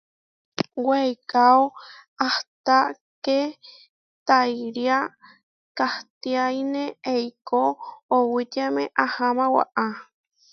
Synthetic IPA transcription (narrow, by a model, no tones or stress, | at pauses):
wejkaoaht̪a | ke | t̪ajɾia | kaht̪iainẽejkoːwit̪amẽʔahamãwa̰ʔa